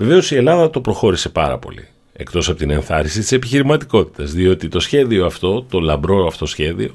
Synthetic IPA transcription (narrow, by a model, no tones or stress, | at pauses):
ve̞ve̞o̞sie̞lɐðɐt̪o̞pɾo̞xo̞ɾise̞pɐ̰ɾɐ̰po̞̰lḭ | e̞̰kt̪o̞sɐpo̞t̪ine̞nθɐɾisit̪i̥se̞piçiɾimɐt̪iko̞t̪i̥t̪ɐzðio̞t̪it̪o̞sçe̞ðio̞ɐft̪o̞t̪o̞lɐmbɾo̞ɐft̪o̞sçe̞ðio̞